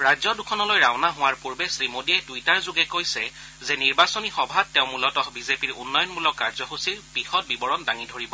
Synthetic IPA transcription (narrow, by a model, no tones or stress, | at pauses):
ɹajzɔdukʰɔnɔlojɹaʊnaɦʊwaɹpuɹbɛsɹimodiɛtujtaɹzʊɡɛkojsɛ | zɛniɹbasonixɔbʱatːɛʊ̃mulɔtɔhbizepiɹṵnːɔjɔnmulɔkaɹzɔɦusiɹbixɔt̚bibɔɹɔndaŋidʱoɹibɔ